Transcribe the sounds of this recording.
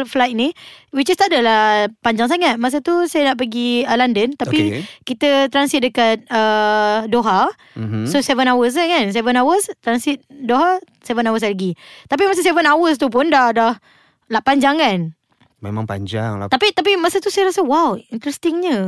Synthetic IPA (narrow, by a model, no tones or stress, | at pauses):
flajt̪̚nĩwid͡ʒəst̪aʔdəlahpaɲd͡ʒaŋs̬aŋat̪̚mas̬ət̪usajənaʔpəɡiəlandənt̪apikit̪ət̪ɾansit̪̚dəkat̪̚ədoɦa | m̩sosɛvənawəs̬ɲəkans̬ɛvənawəst̪ɾansit̪̚doɦa | sɛvənawəs̬aɡit̪ap̬imas̬əsɛvənawəst̪up̬ʊndahdah | laʔpaɲd͡ʒaŋkan | mḛma̰ŋpa̰ɲd͡ʒa̰ŋla̰t̪apit̪ap̬imasət̪usajəɾasəwawint̪ɾɛst̪ɪŋɲə